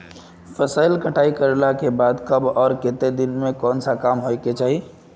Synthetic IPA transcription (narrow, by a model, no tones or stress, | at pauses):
fəsaːɪlkəʈʰaːikəɾlakebaːd̪kɐbɔːɾkɪt̪ed̪ɪnmẽkɔːnsakaːmɦoeket͡ʃaːɦie